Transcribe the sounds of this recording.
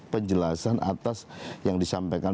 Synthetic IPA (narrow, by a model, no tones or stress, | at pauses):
pəɲd͡ʒəlasanʔa̰t̪asjaŋdisampajka